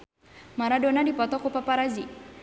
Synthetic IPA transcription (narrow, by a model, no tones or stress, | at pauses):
maɾadonadipɔt̪ɔkupapaɾad͡ʒi